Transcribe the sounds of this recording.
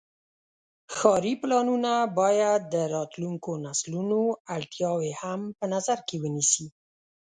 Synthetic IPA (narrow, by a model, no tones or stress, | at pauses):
xɑɾiplɑnunabɑjad̪ːəɾɑt̪luŋkonaslunoaɽt̪jɑwehampənazaɾkewənisi